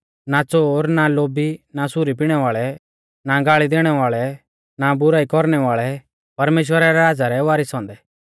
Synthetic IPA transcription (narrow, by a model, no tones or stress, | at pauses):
nat͡soːɾnaloːbinasʊɾipiɽ̃ɛʋaːɭɛ | naɡaːɭid̪eːɽ̃ɛʋaːɭɛ | nabʊɾaːikɔɾñɛʋaːɭɛ | pɐɾmeːʃ̬wəɾaɾɛaːd͡zaɾɛʋaːɾɪsɦɔ̃ːnd̪ɛ